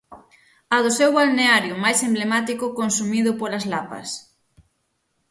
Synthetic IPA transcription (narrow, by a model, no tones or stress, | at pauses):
ɐðʊsewβalneaɾjʊmajsemblemat̪ikʊkonsumiðʊpolazlapɐ̰s